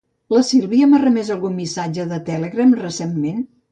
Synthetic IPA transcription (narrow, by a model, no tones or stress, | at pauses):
ləsilˠβiəmarəmɛzəlˠɣunmisad͡ʒəðət̪ɛleɣɾəmrəsemːen